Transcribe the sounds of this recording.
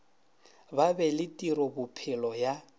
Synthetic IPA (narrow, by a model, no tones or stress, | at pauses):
babɛlɪtʼiɾɔbʊpʰɪlɔja